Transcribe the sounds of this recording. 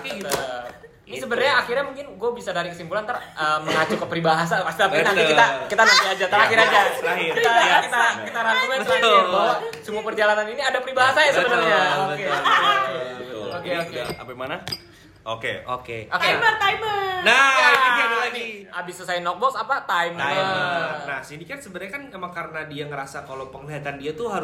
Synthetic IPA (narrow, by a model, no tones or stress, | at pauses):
t̪iɡt̪ | nisəbənərɲaːxirɲamuŋkɪnɡuabisadaɾikəsimpulant̪arəməŋat͡ʃukəpəɾibaɦas̬apast̪iap̪nanikit̪akit̪anaiad͡ʒat̪aɾakiɾad͡ʒaait̪aakit̪akit̪aɾant̪ukat̪uabawasəmuapərd͡ʒalananiniadapəɾibaɦasajasəbənərɲaoke | okeoka̰pamana | okḛo̰kḛok̪amərt̪ajmənaadaladiabisasajanɔk̚bɔksapat̪ajmamnahsinikansəbəɾɲakanamaŋkaɾənadiaŋəɾasakalowpəŋliɦat̪andiat̪uɦaɾ